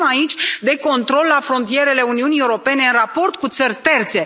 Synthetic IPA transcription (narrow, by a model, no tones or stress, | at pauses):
mait͡ʃʲd̪e̞ko̞nt̪ɾo̞lːafɾo̞nt̪ije̞ɾe̞le̞uniunie̞uɾo̞pe̞ne̞ɨnrapo̞rt̪̚kut̪sərʲt̪e̞rt̪se̞